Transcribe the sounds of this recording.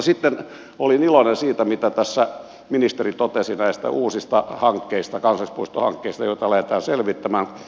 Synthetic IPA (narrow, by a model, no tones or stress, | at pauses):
sit̪ːen | olinilonensiːt̪æmit̪æt̪æsːæ | minist̪erit̪ot̪esinæist̪æ̰ʔuːsist̪ɑhɑŋkːeist̪ɑkɑnsɑlispoist̪ohɑ̰ŋkːeist̪ɑjoit̪ɑlæhet̪æːnselʋit̪ːæmæːn